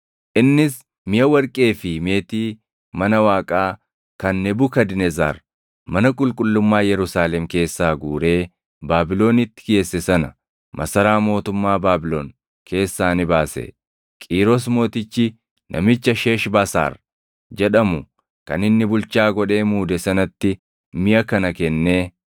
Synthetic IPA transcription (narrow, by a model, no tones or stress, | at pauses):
ʔɪnːɪs | mɪjɐwɐɾkʼe̞ːfɪme̞ːt̪iː | mɐnɐwaːkʼaː | kɐnːɛbʊkɐd̪ɪnɛza̰ːɾ | mɐnɐkʼʊlkʼʊlːʊmːaːjɛɾʊsaːlɛmke̞ːsːaːɡuːɾe̞ː | baːbɪlo̞ːnɪt̪ːɪ̥ɡe̞ːsːɛsɐnɐ | mʔɐ̰sɐɾaːmo̞ːt̪ʊmːaːbaːbɪloːn | kʰe̞ːsːaːnɪbaːsɛ̰ | kʼiːɾɔs̬mo̞ːt̪ɪt͡ʃːɪ | nʔɐ̰mɪt͡ʃːɐʃe̞ːʃbaːsa̰ːɾ | d͡ʒɛᶑɐmʊ | kɐ̰nɪnːɪbʊlt͡ʃaːɡɔᶑe̞ːmuːd̪ɛsɐnɐt̪ːɪ | mɪʔɐkɐnɐkɛnːe̞ː